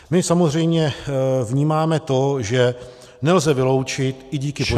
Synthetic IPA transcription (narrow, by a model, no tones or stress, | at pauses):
mɪsamozr̝ɛjmɲɛvɲiːmaːmɛt̪o̞ʒɛ | nɛlzɛvɪlo̞wt͡ʃɪt̪ʔɪɟiːkɪpo